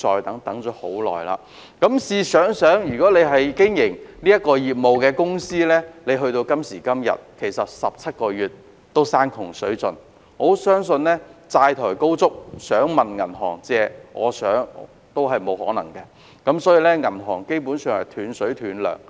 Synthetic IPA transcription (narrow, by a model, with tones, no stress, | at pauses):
t͡ʃɔː˨˧jt̪ɐ˨˥ŋt̪ɐ˨˥ŋt͡ʃɔː˨˥ho˨˥wlɔ̰ː˨jla̰ː˧ | kɐ˨˥msiː˨˧sœː˨˥ŋsœː˨˥ŋjyː˨kɔː˨˥le˨˧jɦɐ˨jkɪ˥ŋjɪ˨˩ŋliː˥jɐ˥t̚kɔː˧jiː˨p̚mo˨wkɛː˧kʊ˥ŋsiː˥lɛː˥le˨˧jɦɵ˧ɥt̪o˧wkɐ˥msiː˨˩kɐ˥mjɐ̰˨t̚kʰe˨˩jsɐ˨t̚sɐ˨p̚t͡sʰɐ˥t̚kɔː˧jyː˨˩t | t̪o˥wsaː˥nkʰʊ˨˩ŋsɵ˨˥ɥt͡sɵ˧n | ŋɔ˨˧sœː˥ŋsɵ˧nlɛː˥t͡saː˧jt̪ʰɔː˨˩jko˥wt͡sʊ˥k̚sœː˨˥ŋmɐ˨nŋɐ˨˩nɦɔ̰ː˨˩ŋt͡sɛː˨˧ʔɔ̰ː˨˧sœː˨˥ŋ | t̪o˥wɦɐ˨jmo˨˧whɔ̰ː˨˥nɐ̰˨˩ŋkɛ˧ | kɐ˨˥msɔː˨˥jiː˧lɛː˥ŋɐ˨˩nɦɔ̰ː˨˩ŋke˥jpu˨˥nsœː˨˧ŋhɐ˨˩jt̪ʰyː˨˧nsɵ˨˥ɥt̪ʰyː˨˥nlœ̰ː˨˩ŋ